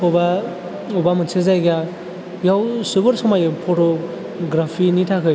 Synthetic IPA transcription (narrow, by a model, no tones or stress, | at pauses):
ɔba | ɔbamɯnsezajɡa | jawsɯbɯɾsɔmajɯpʰɔtɔ | ɡɾapʰinitʰakʰɯj